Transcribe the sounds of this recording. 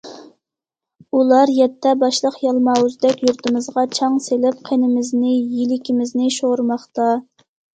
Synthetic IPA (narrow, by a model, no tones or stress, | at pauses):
ulˠɑɾjɛt̪ʰːɛbɑʃlˠəqjɑlˠmɑːwuzd̪ɛkʲjuɾt̪ɨmɨzʁɑt͡ʃʰɑŋselɪp̚qʰenɪmɪznɪjilɪkʲʰimɪznɪʃoɾmɑχt̪ɑ